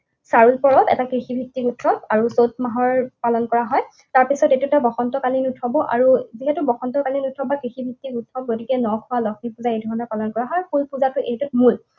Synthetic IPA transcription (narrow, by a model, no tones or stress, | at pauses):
saɹulpɔɹɔtɛ̰takɹixibʱik̚tːikutʰːɔpaɹusot̚maɦɔɹpalɔnkɔɹaɦɔj | taɹpisɔtetutabɔxɔntɔkalinutʰɔbɔʔaɹuziɦɛtubɔxɔntɔkalinutʰɔbbakɹixibʱik̚tːikutʰːɔp̚ɡotikɛnɔkʰʊwalɔkʰnipuzaejdʱɔɹɔnɔpalɔnkɔɹaɦɔjpulpuzatʊʔejtut̚mul